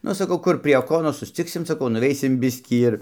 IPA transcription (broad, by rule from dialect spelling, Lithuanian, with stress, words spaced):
ˈnʊ sɐˈkɐʊ ˈkʊr pʲrʲiɛ ˈoːkoːnoːs sʊsʲˈt͡sʲɪksʲɪm sɐˈkɐʊ nʊˈʋʲɛɪsʲɪm ˈbʲɪsʲkʲiː ɪr